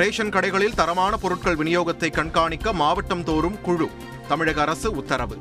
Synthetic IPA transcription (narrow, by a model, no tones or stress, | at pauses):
ɾeːʂɐnkɐɽɐɪɣɐɭɪlt̪ɐɾɐmaːnɐpɔɾɯʈ̚kɐɭʋɪnɪjoːɣɐt̪ːɐɪkːɐɳkaːɳɪkːɐmaːʋɐʈːɐmt̪oːɾɯmkʊɻu | t̪ɐmɪɻɐɣɐɾɐsɯʊt̪ːɐɾɐʋɯ